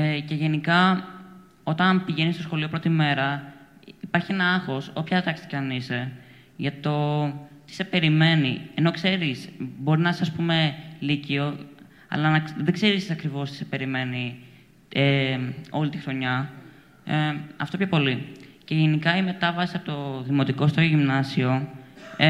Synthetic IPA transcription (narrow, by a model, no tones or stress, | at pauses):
ece̞ʝe̞nikɐ | o̞t̪ɐnpiʝe̞nist̪o̞sxo̞lio̞pɾo̞t̪ime̞ɾɐ | ipɐɾçie̞nɐɐxo̞sopçɐt̪ɐkst̪i̥cɐnise | ʝɐt̪o̞t̪i̥se̞pe̞ɾime̞nieno̞kse̞ɾisbo̞ɾinɐssɐspumelicio̞ | ɐ̰lɐnɐðe̞ɡze̞ɾissɐkɾivo̞st̪i̥sepe̞ɾime̞ni | eo̞lit̪ixɾo̞ɲɐ | ɐ̰ft̪o̞pço̞po̞lice̞ʝenikɐime̞t̪ɐvɐsiɐpot̪oðimo̞t̪iko̞st̪ojoʝimnɐsio̞